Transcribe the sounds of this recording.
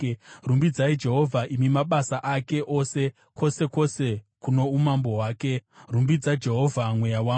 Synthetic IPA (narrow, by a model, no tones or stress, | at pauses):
rumbid͡zaid͡ʒe̞ɦo̞vʱaʔimimaɓasaʔake̞ʔo̞se̞ | ko̞se̞ko̞se̞kuno̞umambo̞ɦwaːke̞rumbid͡zad͡ʒe̞ɦo̞vʱamwe̞jawa